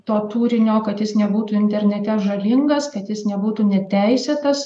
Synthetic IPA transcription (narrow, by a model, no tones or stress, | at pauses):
t̪oːt̪uːɾʲɪnʲoːkɐt̪jɪsnʲɛbuːt̪uːɪnʲt̪ʲɛɾʲnʲɛt̪ʲɛʒɐlʲɪŋɡɐskɐt̪jɪsnʲɛbuːt̪uːnʲɛt̪ʲɛɪsʲeːt̪ɐs